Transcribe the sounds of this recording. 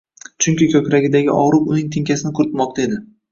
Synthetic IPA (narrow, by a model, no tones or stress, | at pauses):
t͡ʃʰʊŋkʲɪkʲʰɵkʲɾaɡʲɪd̪aɡʲɪʔɒ̰ʁɾʊpʊnɪŋt̪ʰɪŋkʲʰasɪnɪkʰʊɾɪt̪mɒq̚t̪ʰae̞d̪ɪ